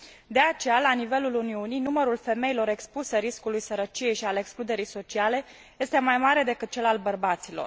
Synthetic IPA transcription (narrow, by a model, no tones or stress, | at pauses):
d̪eat͡ʃe̞jalanive̞luluniunijnuməɾulfe̞me̞ilo̞ɾe̞kspuseɾiskulujsəɾət͡ʃije̞jʃialeksklud̪e̞ɾijso̞t͡ʃiale̞ | je̞st̪e̞majmaɾe̞d̪e̞kɨt̪̚t͡ʃe̞lalbərbat̪silo̰r